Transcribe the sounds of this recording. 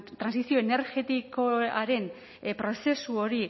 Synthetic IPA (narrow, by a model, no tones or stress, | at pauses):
t̪ɾansisio̞ene̞ɾɣe̞t̪ikoaɾe̞n | pɾo̞se̞suo̞ɾi